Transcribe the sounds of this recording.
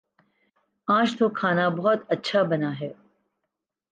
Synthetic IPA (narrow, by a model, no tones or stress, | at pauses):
ãːʃt̪ʰoːkʰaːnabɐɦɔt̪ɐtːʃʰabɐnaːɦɛː